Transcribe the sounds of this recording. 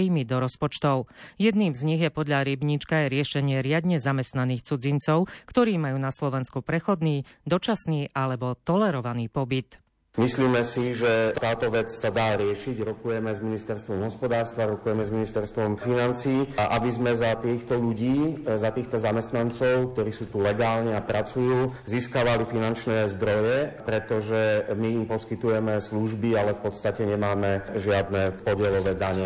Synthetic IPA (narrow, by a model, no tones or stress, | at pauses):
iːmid̪ɔɾɔspɔt͡ʃt̪ɔʊjɛd̪niːmzɲiɣjɛpɔd̪ʎaɾibɲit͡ʃkajɾɪɛʃɛɲɪɛɾɪad̪ɲɛzamɛst̪naniːxt͡sud͡zint͡sɔʊkt̪ɔɾiːmajuːnaslɔʋɛnskupɾɛxɔd̪niːd̪ɔt͡ʃasniːalɛbɔt̪ɔlɛɾɔʋaniːpɔbit̪ | misliːmɛsiʒɛt̪aːt̪ɔʋɛt͡ssad̪aːɾɪɛʃiɟɾɔkujɛmɛzminist̪ɛɾst̪ʋɔmɦɔspɔd̪aːɾst̪ʋaɾɔkujɛmɛzminist̪ɛɾst̪ʋɔmfinant͡siːʔabizmɛzat̪iːxt̪ɔʎuɟiːzat̪iːxt̪ɔzamɛst̪nant͡sɔʊk̚t̪ɔɾiːsuːt̪ulɛɡaːlɲiapɾat͡sujuːziːskaʋalifinant͡ʃnɛːzd̪ɾɔjɛpɾɛt̪ɔʒɛmiimpɔskit̪ujɛmɛsluʒbialɛfpɔt̪st̪acɛɲɛmaːmɛʒɪad̪nɛːfpɔɟɪɛlɔʋɛd̪aɲɛ